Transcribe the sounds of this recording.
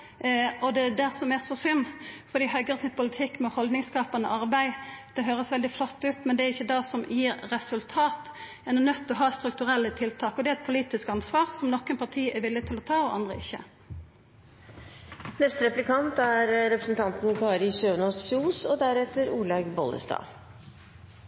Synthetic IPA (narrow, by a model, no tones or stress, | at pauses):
ɔd̪ɛd̪æʁsɔmæsɔsʏnːfɔd̪iːhœɡəʁsɪnpʰʊlɪt̪ʰɪkːmɛhɔld̪nɪŋskɑːpɑnə̰ʔɑɾbæɪd̪̥ɛɦøːɾəsʋɛld̪ɪflɔt̪ːʉːt̪mɛnd̪ɛæɾɪçːəd̪ɑsɔmjiːɾːɛsʉlt̪ʰɑːt̪ | ɛnʊnœt̪ːɔɦɑːst̪ɾʉkt̪ʉʁɛlːət̪ʰɪlt̪ʰɑːkɔd̪ɛæɛt̪̚pʰʊliːt̪ɪskɑnsʋɑːʁsɔmnɔkːənpʰɑʁʈ̪ʰiːæʋɪlːɪt̪ʰɪlɔt̪ʰɑːoʔɑ̰nd̪ʁə̰ɪçːə̰ | nɛst̪ɾɛplɪkʰɑnt̪æɾɾɛpɾəsn̩t̪ʰɑnt̪nkʰɑːɾɪsøːnɔsuːsɔd̪æɾɛt̪ːəɾuːlɑɡbɔ̰lə̰st̪ɑ̰ː